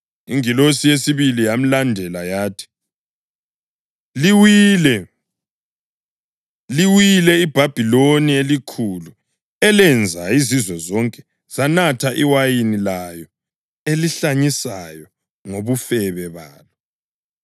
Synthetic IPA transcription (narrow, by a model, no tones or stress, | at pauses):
ḭŋilosijesiβilijam̩landʱɛlajaːtʰi̥ | liwilɛ | liwilɛib̥ʱab̥ʱilonielikʰulu | ɛlɛnd͡zʱaizizwɛzɔŋkʼɛ̥ | z̥anatʰaʔiwajinilajɔ | eliɬaɲisajɔ | ŋoβufɛβɛβaːlɔ